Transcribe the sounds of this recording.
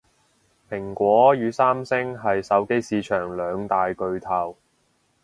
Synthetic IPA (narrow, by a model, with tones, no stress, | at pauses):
pʰɪ˨˩ŋkʷɔː˨˥jyː˨˧˥saː˥msɪ˥ŋɦɐ˨jsɐ˨˥wke˥jsiː˨˧t͡ʃʰœː˨˩ŋlœː˨˧ŋt̪aː˨jkɵ˧ɥt̪ʰɐ˨w